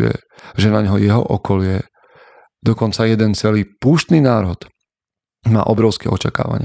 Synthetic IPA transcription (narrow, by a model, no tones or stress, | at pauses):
jɛ̰ | ʒɛnaɲɦɔjɛɦɔ̰ʔɔkɔlɪɛ | d̪ɔkɔnt͡sajɛd̪ɛnt͡sɛliːpuːʃt̪niːnaːɾɔt̪ | ma̰ːʔɔbɾɔʊskɛɔt͡ʃaka̰ːʋa̰ɲɪɛ